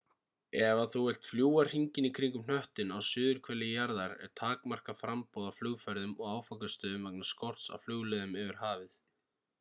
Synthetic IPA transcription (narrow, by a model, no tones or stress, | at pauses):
ɛvaθuɛjl̥t̪fljuːwar̥r̥iɲcɪnikʰɾiŋkʏmn̥œht̪ɪnawsʏːðʏɾ̥kʰvɛlːɪjaɾðaɾɛ̰ɾ̥t̪ʰaːkmar̥kafɾampɔːwðaflʏːɣfœɾðʏmɔɣaːwfakast̪œːðʏmvɛknḁskɔr̥t̪sa̰wflʏɣlɛðʏmɛvɪɾ̥ɦaːvɪθ